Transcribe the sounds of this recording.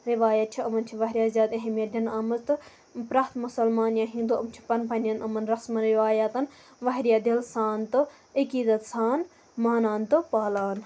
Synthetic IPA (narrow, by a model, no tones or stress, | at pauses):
ɾiʋaːjɐt̪̚t͡ʃʰiɐmɐnt͡ʃʰiʋɐɦɾjaːzjaːd̪ɐɦɐmjɐdʲɐnɐmɐzt̪ɨ | pɾaːt̪musɐlmaːnjaːɦĩnd̪uɐmt͡ʃʰi̥pɐnpʰɐnʲjɐnʔɐmɐnɾɐsmɐnɾiʋaːjat̪ɐn | ʋɐɦɾijaːd̪elsaːnt̪ɨ | ɐkiːd̪ɐt̪saːn | maːnaːnt̪ɨpaːlaːn